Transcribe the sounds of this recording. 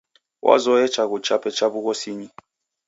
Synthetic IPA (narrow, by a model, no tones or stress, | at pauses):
wʔa̰zɔjɛt͡ʃaɣut͡ʃapɛt͡ʃabuɣɔsiɲi